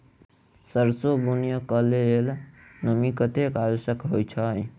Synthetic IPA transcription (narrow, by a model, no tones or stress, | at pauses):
səɾsoɡunjəkəleelnəmikət̪ekajosəkɦojt͡ʃʰəj